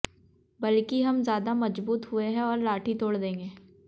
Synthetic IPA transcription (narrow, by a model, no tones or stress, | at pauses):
bɐlkiɦɐmzjaːd̪amɐd͡ʒbuːt̪ɦʊeɦɛ̃ɔːɾlaːʈʰit̪oːɽd̪ẽːŋɡeː